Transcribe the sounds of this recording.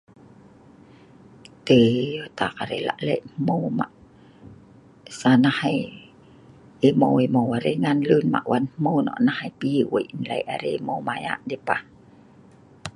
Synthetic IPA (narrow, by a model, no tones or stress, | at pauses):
t̪ejot̪akaɾḛla̰ʔlɛ̰jʔmmoma̰ʔ | sanahaj | emowemowaɾeŋanlɨnma̰ʔwanmmownɔ̰ʔnahajpiwojinla̰jʔaɾḛmowmaja̰ʔdepah